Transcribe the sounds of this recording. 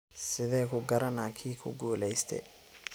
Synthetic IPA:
sɪðɛːkʰʊɡɐɾɐnaːkʰiːkʰʊ̰ɡuːlɛjst̪ʰɛ̰

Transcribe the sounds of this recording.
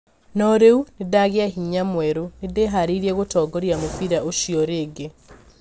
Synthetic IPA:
nɔɾeunedaɣeaɦiɲamwɛɾonedeɦaɾiɾiɛɣotɔːɡɔɾjamofiɾaoʃiɔɾeːɡe

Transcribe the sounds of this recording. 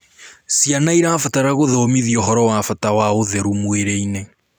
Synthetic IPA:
sianaiɾafataɾaɣoðɔːmiðiɔɦɔɾɔwafatawaoðɛɾumweɾeine

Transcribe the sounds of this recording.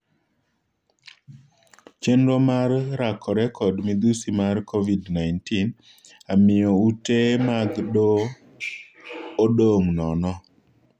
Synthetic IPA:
t͡ʃenɾomarːakʰɔɾɛkʰɔdmid̪usimarkʰovidnaɪntin | amɪjɔutemaɡɗo | ɗoŋnɔnɔ

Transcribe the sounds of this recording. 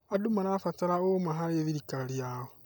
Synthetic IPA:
adumanafataɾaomaɦaɾeðiɾikaɾiawɔ

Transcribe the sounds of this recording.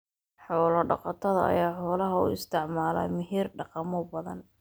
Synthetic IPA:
ħɔːlɐɖɑ̰qɑt̪ʰɐðɐ̰ʔɐ̰jaːħɔːlɐɦɐʊ̰ɪ̰st̪ʰɪʕmaːlɐ̰mɪɦiːrɖɑqɑmɔbɐðɐ̰n

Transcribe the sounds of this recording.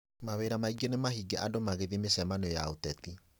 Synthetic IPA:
maweɾamaiɡionemaɦiɡeʔadomaɣeðimesɛmanojaotɛti

